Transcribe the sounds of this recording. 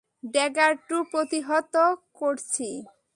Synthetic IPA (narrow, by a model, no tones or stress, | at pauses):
ɖɛɡaɾʈupɾot̪iɦɔt̪okoɾt͡ɕʰi